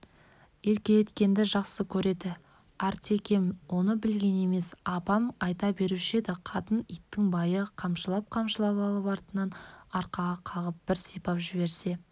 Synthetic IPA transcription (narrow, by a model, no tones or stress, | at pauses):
e̞ɾkʲe̞jet̪kʲe̞nd̪ɪʒɑqsəkʲʰɵɾe̞d̪ɪ | ɑɾt̪ʰe̞kʲe̞mwo̞nəbɪlɡʲe̞ne̞me̞sɑpɑmɑjt̪ɑbe̞ɾuʃed̪ɪqʰɑt̪ənijt̪ːɪŋbɑjəqʰɑmʃəlˠɑp̚qʰɑmʃəlˠɑpɑlˠəpɑɾt̪ənɑnɑɾqɑʁɑqʰɑʁəp̚b̥ɪɾsijpɑpʒɪβe̞ɾse̞